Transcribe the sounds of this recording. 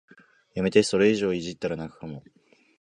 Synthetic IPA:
jame̞t̪e̞so̞ɾe̞iʑo̞ːiʑit̪ːaɾanakɯ̟̥kamo

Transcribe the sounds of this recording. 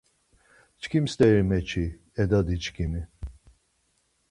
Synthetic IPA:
t͡ʃkʰimst̪ʼɛɾimɛt͡ʃʰi | ɛd̪ad̪it͡ʃʰkʰimi

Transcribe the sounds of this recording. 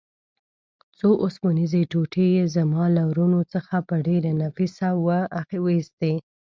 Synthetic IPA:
t͡soʔosmonizeʈoʈejezamɑlawɾunot͡səxapəɖeɾanafisawəaxewəist̪e

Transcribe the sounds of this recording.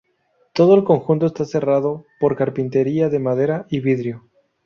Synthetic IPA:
t̪o̞ð̞oelko̞ŋxunt̪oest̪ase̞raðo̞po̞ɾkaɾpint̪e̞ɾiaðe̞mað̞e̞ɾaiβiðɾjo

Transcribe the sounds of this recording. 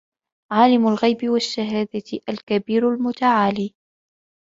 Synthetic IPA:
ʕaːlɪmʊlɣajbɪwaʃːaɦaːd̪aʔalkabiːɾalmʊt̪aʕaːliː

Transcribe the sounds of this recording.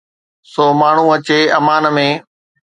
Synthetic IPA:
soːmaːɳ̤ũɐt͡ɕeːɐmaːnmẽː

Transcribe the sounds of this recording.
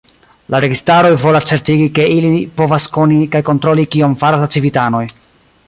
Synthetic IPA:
laɾe̞ɡistaɾo̞jvo̞last͡se̞ɾtiɡike̞ʔilipo̞vasko̞nikajko̞ntɾo̞likio̞mfaɾaslat͡sivitano̞j

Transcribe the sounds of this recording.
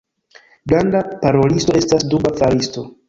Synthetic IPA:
ɡɾandapaɾo̞listo̞e̞stasdubafalisto̞

